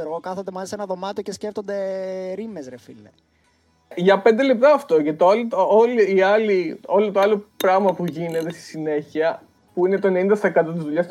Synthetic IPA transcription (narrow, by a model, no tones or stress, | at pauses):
ɾɣokɐθond̪emɐisenɐðomɐt̪ocesceft̪o̞nd̪e̞ɾimezɾefine | ʝɐpe̞nd̪e̞le̞p̚t̪ɐːft̪o̞cɐt̪oɐlit̪ooliːɐlio̞lot̪oɐlopɾɐɣmɐpuʝine̞t̪est̪i̥sine̞çiɐ | puinet̪oenenind̪ɐsekɐt̪ot̪̬izðuʎɐs